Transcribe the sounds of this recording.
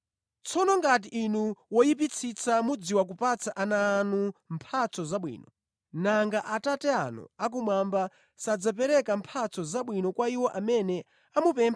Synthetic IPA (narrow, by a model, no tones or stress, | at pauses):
t͡sʰɔnɔŋɡat̬iʔːnuwɔjip̬it͡sʰit͡samud͡ziwak̬upat͡sʰaʔanaːnumpʰat͡sʰɔzaɓwḭːnɔ | naŋɡaʔatatɛanṵak̬umwamba | sad͡zap̬ɛɾɛkampʰat͡sʰɔzaɓwinɔkwaiwɔʔamɛnɛ | amupɛmpʰa